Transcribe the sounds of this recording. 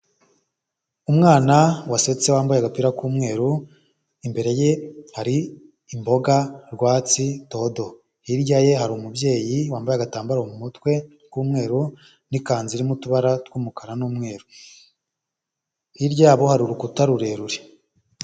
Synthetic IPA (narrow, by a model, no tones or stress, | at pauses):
umŋaːnawase̞t͡se̞waːmbajaɡapiɾakuːmŋe̞ːɾu | imbe̞ɾe̞je̞haɾiː | mbo̞ɡaɾɡwaːt͡sito̞do̞ | hiɾɟaje̞ɦaɾumubje̞ːjiwaːmbajaɡataːmbaɾahomumutwe̞ | kuːmŋe̞ːɾu | nikaːnziɾimutuβaɾatwuːmukaɾanuːmŋe̞ːɾu | hiɾɟaːβo̞haɾuɾukutaɾuɾe̞ɾuɾe